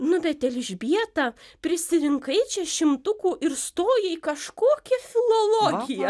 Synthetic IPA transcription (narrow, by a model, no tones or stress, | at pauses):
nʊbʲɛt̪t̪ʲɛlʲɪʒʲbʲiɛt̪ɑːpʲɾʲɪsʲɪɾʲɪŋkɐɪt͡ʃʲɛːʃʲɪmt̪ʊkuːʔɪɾst̪oːjɛikɐʃkoːkʲɛfʲɪlˠolˠoːɡʲɪjɛ